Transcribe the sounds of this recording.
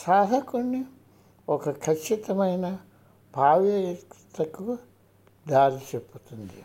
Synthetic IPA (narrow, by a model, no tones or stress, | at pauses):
saːd̪ʱɐkunːi | ɔkʰɐkʰɐt͡ʃːit̪ɐmɐjnɐ | bʱaːʋjɐt̪ːɐkːuʋɐ | d̪aːɾit͡ʃepːut̪und̪ijɐ